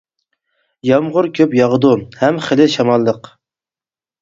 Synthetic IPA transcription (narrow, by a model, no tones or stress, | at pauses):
jɑmʁʊɾkʲʰøpjɑʁəd̪uhɛmχəlɪʃɑmɑlˠːəq